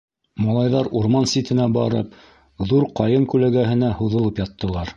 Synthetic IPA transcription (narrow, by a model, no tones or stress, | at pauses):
mɑlˠɑjðɑɾuɾmɑnsit̪ɘ̆næbɑɾɤ̰p̚ | ðuɾqɑjɤɴkʉlæɡæhɘ̆næhuðɤ̆lˠɤpjɑt̪ːɤ̆lˠɑɾ